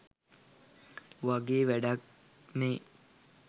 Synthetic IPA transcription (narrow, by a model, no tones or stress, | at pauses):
ʋaɡeːʋæɖak̚ | me